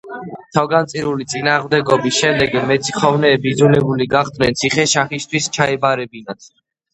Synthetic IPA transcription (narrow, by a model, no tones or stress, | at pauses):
t̪ʰavɡant̪sʼiɾulit̪sʼinaːʁmd̪ɛɡɔbisʃɛmd̪ɛɡmɛt̪sʰi̥χɔvnɛːbid̪zulɛbuliɡaχd̪nɛnt̪sʰiχɛʃaχist̪ʰwist͡ʃʰaɛbaɾɛbinat̪ʰ